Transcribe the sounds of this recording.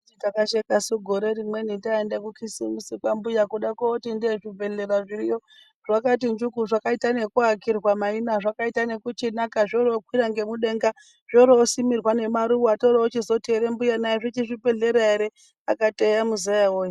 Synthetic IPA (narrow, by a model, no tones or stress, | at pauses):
itakaʃekasuɡʱoɾe̞ɾimwe̞nitaendekukʰisimisik͡pambujakuɗakaotindeʐive̞ɮeɾaʐiɾijo̞ | ʐ̥akat̬ind͡ʒukuʐakaitane̞kuakirɣwamainaʐakaitane̞kut͡ʃinakaʐoɾookwiɾaŋɡe̞muɗe̞ŋɡa | ʐ̥oɾoosimirwane̞maɾuoatoɾaot͡ʃizo̞teɾembujanaeʐet͡ʃiʐipeɮeɾaeɾe | a̰katejamuzajaoːji